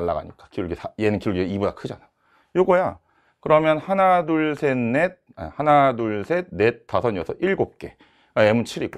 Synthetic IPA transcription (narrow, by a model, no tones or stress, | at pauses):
ɭːa̰ɡa̰ɲḭk͈ḁkiuɭɡisaje̞nɯnkiuɭɡiibudakʰɯd͡ʑana | joɡʌja̰ | kɯɾʌmjʌnhanaduɭsʰe̞nːe̞t̚a̰hanaduɭsʰene̞t̚t͈ːasʰʌɲjʌsʰʌʔiɭɡop̚k͈e̞ | emunt͡ɕʰiɾiɡo